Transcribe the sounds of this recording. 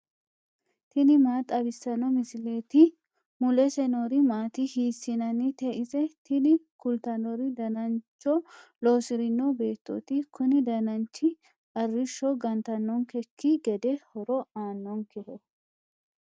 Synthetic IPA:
t̪ɪnɪmaːt̪ʼɐbɪsːɐnɔmɪsɪleːt̪ɪ | mʊlɛsɛnoɾɪmaːt̪ɪhiːsːɪnɐnɪt̪ɛʔɪsɛt̪ʰɪnɪkʊlt̪ɐnɔɾɪd̪ɐnɐnt͡ʃːɔloːsɪɾɪnːɔbe̞ːt̪ːɔ̰t̪ɪkʊnɪd̪ɐnɐnt͡ʃːɪ | ɐrːɪʃːɔɡɐnt̪ɐnːɔŋkɛkːɪɡɛd̪ɛhɔɾɔaːnːɔŋkɛhɔ

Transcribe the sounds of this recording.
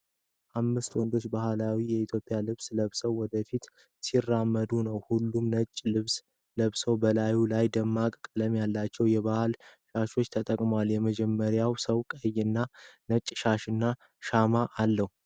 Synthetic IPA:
ʔamːɨst̪wɔnd̪o̞t͡ʃːbahlawijɛit̪ʰjo̞pʼːjalɨβsləβsəwːɔd̪əfit̪ | sirːamːəd̪unəwhulːumnət͡ʃʼːlɨβs | ləβsəwbəlajulajd̪əmːakʼkʼələmjalːat͡ʃːɛwjɛβahlʃaʃo̞t͡ʃːt̪ʰət̪ʼəkʼməwaljɛməd͡ʒɛmːəɾjawsəwkʼəjːɨnːanət͡ʃʼːʃaʃɨnːa | ʃamaʔalːəhu

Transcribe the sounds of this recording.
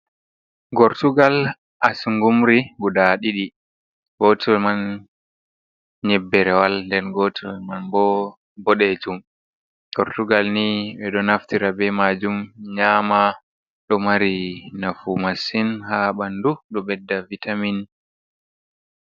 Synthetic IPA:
ɡɔɾtuɡal | ʔasuŋɡumɾiɡuɗaɗiɗi | ɡotiɔlman | ɲɛbːɛɾɛwalndɛnɡɔtiɔmanbɔ | bɔɗɛd͡ʒum | ɡɔɾtuɡalniɓɛɗɔnaftiɾabɛmad͡ʒumɲaːma | ɗɔmaɾinafumasinhaɓanduɗɔbɛdːavitamin

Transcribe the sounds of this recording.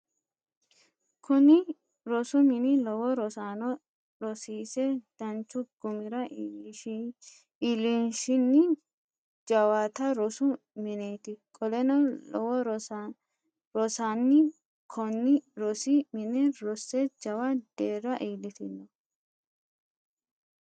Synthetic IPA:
kʰʊnɪ | ɾɔsʊmɪnɪlɔwɔɾɔsanɔ | ɾɔsiːsɛd̪̥ɐnt͡ʃʊɡ̥ʊmɪɾɐ | ɪlinʃɪnːɪ | d͡ʒɐwaːt̪ɐɾɔsʊ | mɪneːt̪ɪkʼɔlɛnɐɔwɔɾ | ɾɔsanːɪ | kʰɔnːɪɾɔsɪmɪnɪɾɔsːɛd͡ʒɐwɐd̪̥eːrːɐʔiːlːɪt̪ɪnːɔ

